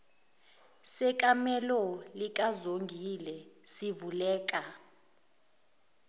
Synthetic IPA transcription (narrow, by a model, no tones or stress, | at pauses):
sɛkʼamɛlɔlik̬ʼazoŋɡʱilɛsivulɛːk̬ʼa